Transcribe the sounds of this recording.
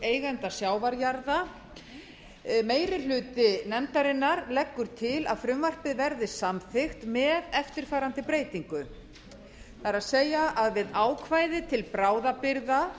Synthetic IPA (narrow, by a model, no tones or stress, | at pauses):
ejɣɛnt̪asjaːwvaɾjaɾða | meːjɾɪl̥ʏːt̪ɪnɛmt̪aɾɪnːaɾlɛkːʏɾ̥t̪ʰɪla̰ðfɾʏmvar̥pɪðvɛɾðɪsamθɪxt̪mɛðɛft̪ɪɾ̥faːɾant̪ɪpɾeːjt̪iŋkʏ | θaɾaðseːjaʔaðvɪðaːwkʰvaːjðɪt̪ʰɪlpɾaːwðapɪɾða